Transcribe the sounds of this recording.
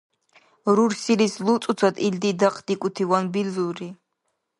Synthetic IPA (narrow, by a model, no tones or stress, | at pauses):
ɾuɾsilislut̪sʼut͡s̪ʰat̪ʰʼild̪id̪aqʰʼd̪ikʼut̪ʰivanbilzuɾi